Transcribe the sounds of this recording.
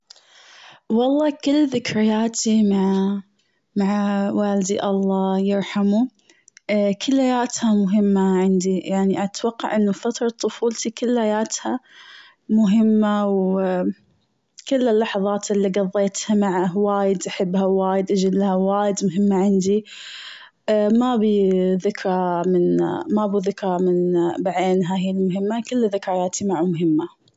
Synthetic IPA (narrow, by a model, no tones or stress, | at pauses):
wɑlˤːɑːkɪlːðɪkɾɪjaːt̪imaʕ | maʕawaːld̪iʔɑlˤːɑːjɪɾħamu | kʰɪlːhajaːt̪hamʊɦɪmːaʕɪnd̪ijaʕniʔat̪wɑqːɑ̰ʕʔɪnːufat̪ɾˤɑt̪ˤːʊfuːlt̪ikʊlːhajaːt̪ha | mʊɦɪmːaw | kɪlːɪlːɑħɑðˤɑːt̪ʔɪlːiɡɑðˤːeːt̪hamaʕawaːjɪd̪ʔaħɪbːhawaːjɪd̪ʔad͡ʒɪlːhawaːjɪd̪mʊɦɪmːaʕɪnd̪i | mabiðɪkɾˤɑmɪnmabiðɪkɾˤɑmɪnbaʕeːnɦaːjɪlmʊɦɪmːakɪlːðɪkɾajaːt̪ʰimaʕumʊɦɪmːa